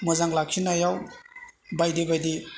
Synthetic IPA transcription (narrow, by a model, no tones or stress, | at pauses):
mɔzaŋlakʰinajaw | bajdibajdi